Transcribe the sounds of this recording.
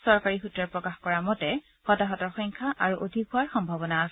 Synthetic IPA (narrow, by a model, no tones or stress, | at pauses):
sɔɹkaɹixutɹaɹpɹɔkaxkɔɹamɔtɛ | hɔtaɦɔtɔɹxɔŋkʰaʔaɹuʔodʱikɦʊaɹxɔmbʱabɔnaːsɛ